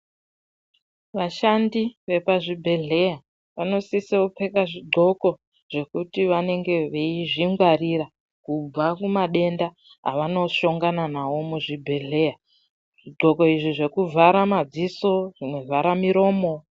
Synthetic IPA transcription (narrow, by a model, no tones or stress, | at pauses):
ʋaʃandiʋe̞paʐibʱe̞ɮe̞ja | ʋano̞siseupe̞kaʐiɡ͡ǃʱo̞ko̞ | ʐ̥e̞kutiʋane̞ŋɡe̞ʋeiʐiŋɡwariɾa | kub͡vakumaɗe̞nda | ɦa̰ʋano̞ʃo̞ŋɡananawo̞muʐibʱe̞ɮe̞ja | ʐ̥iɡ͡ǃʱo̞ko̞iʐiʐe̞kuvʱaɾamad͡ziso̞ʐimwe̞vʱaɾamiɾo̞ːmo̞